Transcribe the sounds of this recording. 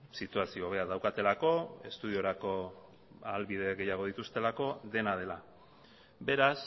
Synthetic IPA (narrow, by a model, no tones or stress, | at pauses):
sit̪uasio̞βe̞aðawkat̪e̞lako̞e̞̰st̪uð̞io̞ɾako̞ | alβiðe̞ɣe̞jaɣ̞o̞ð̞it̪ust̪e̞lako̞ðe̞nað̞e̞la | be̞ɾas